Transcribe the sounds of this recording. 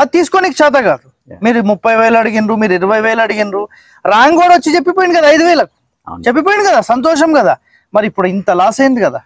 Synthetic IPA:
at̪iːsu̥konikit͡ʃaːt̪̬ɐkaːd̪u | miːɾumupːɐjʋɛːlɐɐɽiɡinɾumiːɾuiɾɐʋɐjʋeːlɐɽiɡinɾu | ɾaːŋɡɔːɽʋɐt͡ʃːit͡ʃepːipoːjiɳɖikɐd̪aɐjd̪uʋɛːlɐku̥ | t͡ʃepːip̬oːjiɳɖikɐd̪aːsɐnt̪̬ɔːʃɐmkɐd̪a̰ː | mɐɾiipːuɽuint̪ɐlaːsejnd̪ikɐd̪a̰ː

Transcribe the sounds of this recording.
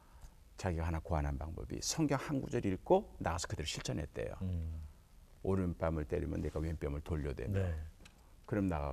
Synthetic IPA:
t͡ɕaɡiɡaɦanakoanɦanpaŋbʌ̰bḭsʰʌŋɡjʌŋhanɡud͡ʑʌɾiɭk͈onaɡasʰʌ̥kɯdɯɾɯɕʰiɭt͡ɕʰʌnɦe̞̰t̚t͈e̞̰jo̰ | oɾɯnp͈amɯɭt͈eɾimjʌnːeɡawemp͈jʌmɯɭtoʎːʌdwe̞̰mo | kɯɾʌmnaɣa̰

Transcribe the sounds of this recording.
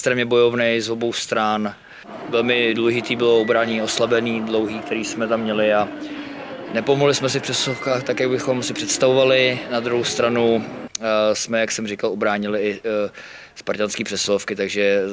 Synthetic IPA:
st̪ɾɛmɲɛbo̞jovnɛjzobowst̪ɾan | vɛlmɪdulɛʒɪt̪iːbɪloobɾaːɲɛɲioslabɛniːdlowɦiːkt̪ɛɾiːsmɛt̪amːɲɛlɪa | nɛpomoɦlɪsmɛsɪfpr̥ɛslofkaːxt̪akjaɡbɪxo̞msɪpr̥ɛt̪st̪avovalɪnad̪ɾuɦowst̪ɾanu | smɛjaksɛmrɪkalobɾaːɲɪlɪɪ | spaɾcanskiːpr̥ɛslofkɪt̪aɡʒɛ

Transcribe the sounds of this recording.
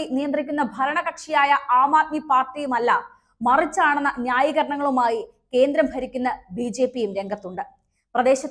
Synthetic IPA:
inijɐnd̪rikʲːunːɐbʱɐɾɐɳɐɣɐkʂijaːjɐʔaːmaːt̪̚mipaːrʈːijumɐlːɐ | mɐrit͡ɕːaːɳenːɐnjaːjiɣɐɾɐɳɐŋːɐɭumaːji | ke̞ːnd̪ɾɐmbʱɐɾikʲːunːɐbiːd͡ʑe̞ːpːijumɾe̞ŋɡʱɐt̪ːuɳɖɨ | prɐd̪e̞ːɕɐt̪ː

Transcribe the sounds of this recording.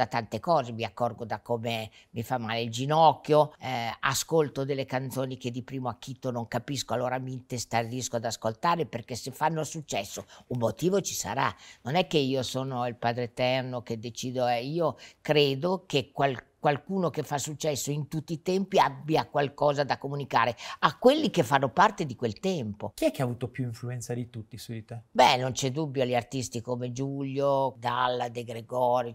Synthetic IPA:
at̪ant̪ekɔːzemiakːɔrɡod̪akːoːme | mifamːaːleild͡ʒinɔkːjoɛaskolt̪od̪elːekant̪soːnik̟ed̪ːipɾiːmoak̟ːit̪ːonoŋkapiskoalːoːɾamiːnt̪est̪ariskoad̪askolt̪aːɾeperkesefanːosut͡ʃːɛsːoummːot̪iːvot͡ʃi̥sa̰ɾa̰nonɛkːeiːosoːnoilpaːd̪ɾet̪ɛrnoked̪et͡ʃiːd̪oɛiːokɾeːd̪okekwalkwalkuːnokefːasːut͡ʃːɛsːoint̪ut̪ːiːt̪ɛmpiabːjakwalkɔːzad̪akːomunikaːɾeakːwelːikefːanːopart̪ed̪ikwelt̪ɛmpok̟iɛkːeaːvuːt̪opjuiɱfluɛnt̪sad̪it̪ut̪ːisudit̪abɛnont͡ʃɛd̪ubːjoalʎːiart̪ist̪ikomed͡ʒulːod̪alːad̪eɡɾeɡɔːɾjo

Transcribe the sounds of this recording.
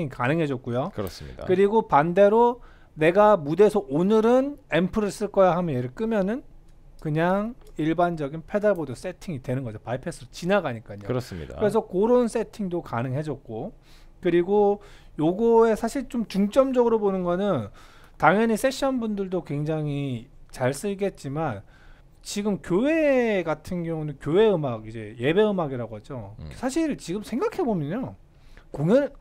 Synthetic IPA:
ŋikanɯŋɦe̞d͡ʑʌt̚k͈ujokɯɾʌ̰sḭdakɯɾiɡopande̞ɾo | ne̞ɡamude̞sʰʌʔonɯɾɯnempʰɯɾɯɭs͈ɯɭk͈ʌjahamjʌnjeɾɯɭk͈ɯmjʌnɯn | kɯɲaŋiɭband͡ʑʌɡinpʰe̞daɭbodʌs͈etʰiŋidwe̞nɯnɡʌd͡ʑopaipʰes͈ʰɯot͡ɕinaɡaɲik͈aɲo̰ɾs͈ḭdakɯɾe̞sʰʌkoɾons͈e̞tʰiŋdokanɯŋɦe̞d͡ʑʌt̚k͈o | kɯɾiɡo | joɡue̞sʰaɕʰiɭt͡ɕ͈omt͡ɕuŋt͡ɕ͈ʌmd͡ʑʌɡɯɾobonɯnɡʌnɯn | taŋjʌɲis͈e̞ɕ͈ʰʌnbundɯɭdokwe̞ŋd͡ʑaŋit͡ɕaɭs͈ɯɭɡe̞t̚t͡ɕ͈iman | t͡ɕiɡɯmkjowe̞ɡatʰɯnɡjʌŋunekjowe̞ɯmaɡid͡ʑe̞je̞be̞ɯmaɡiɾaɡoɦad͡ʑosʰaɕʰiɭt͡ɕiɡɯmsʰe̞ŋɡakʰe̞bomjʌɲo | koŋʌn

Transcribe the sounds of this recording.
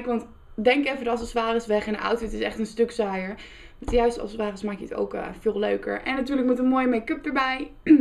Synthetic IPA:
kʋɑnt | dɛŋkɛfədɑlˠsəsʋaːrɪsʋɛχɛndəʔɑ̰wtfɪtɪsɛχtənstɵksaːjəɹ | mtəjœɥstɑ̰lˠsəsʋaːrəsmaːkjəəto̰wkːfɪːlˠløɥkə̰ɹʔɛ̰nːatyːɹləkmɛtənmoːjəmekɵp̚dəɹbɛj

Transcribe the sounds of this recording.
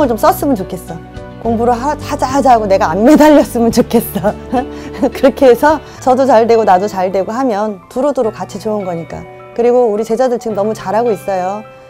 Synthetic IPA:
ɯɭt͡ɕoms͈ʌs͈ɯmɯnt͡ɕokʰe̞s͈ʌ | koŋbuɾoɦahad͡ʑaɦad͡ʑaɦaɡone̞ɡaːnme̞daʎːʌs͈ɯmɯnt͡ɕokʰe̞s͈ʌ | kɯɾʌkʰeesʰʌ | t͡ɕʌdot͡ɕaɭdwe̞ɡonadot͡ɕaɭdwe̞ɡoɦamjʌntuɾodoɾok͈ːat͡ɕʰit͡ɕounɡʌɲik͈a̰ | kɯɾiɡouɾit͡ɕe̞d͡ʑadɯɭt͡ɕiɡɯmnʌmut͡ɕaɾɦaɡois͈ʌjo

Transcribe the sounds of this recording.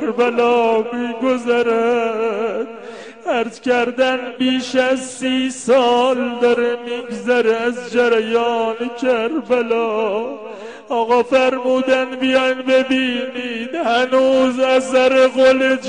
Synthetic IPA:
ɾbalɒːmɪɡʊzaɾa | t̪ | æɾt̪kʲaɾd̪anbiʃazsiːsɒːld̪aɾɪmɪɡzaɾɪæzd͡ʒaɾajɒːnɪkʲʰaɾbalɒ | ɒɣɒfæɾmuːd̪anbɪjanbebimid̪hænuzazaɾɪʁolɪ

